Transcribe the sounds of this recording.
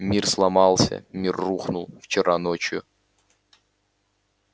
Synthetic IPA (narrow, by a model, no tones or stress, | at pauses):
mʲirslˠɐmɑlˠsʲə̰mʲirːuxnʊlˠft͡ɕɪɾanot͡ɕjʊ̰